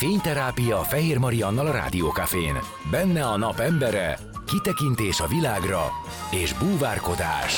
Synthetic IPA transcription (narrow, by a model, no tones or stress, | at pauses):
feːɲt̪ɛɾaːpijɒːfɛɦeːrmɒɾiɒnːɒlɒɾa̰ːd̪ioːkafḛːn | bɛnːɛɒnɒpɛmbɛɾɛ̰ | kit̪ɛkint̪eːʃɒvilaːɡrɒ̰ | eːʒbuːvaːrko̞d̪a̰ːʃ